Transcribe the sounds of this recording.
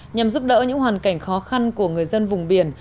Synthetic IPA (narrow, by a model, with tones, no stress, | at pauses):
ɲa˨˩mzu˦˥p̚ɗə̰ː˧˥ɲɨ̰˧˥ŋhɦwaː˨˩nka˧˩jŋ̟xɔ˨˦xa˧nku˧˩əŋɨ˨˩əjzə˧nvʊ˨˩ŋ͡mɓi˧˩ən